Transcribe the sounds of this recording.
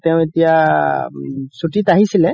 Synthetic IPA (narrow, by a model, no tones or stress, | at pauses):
t̪ɛʊ̃etija | sutitaɦisilɛ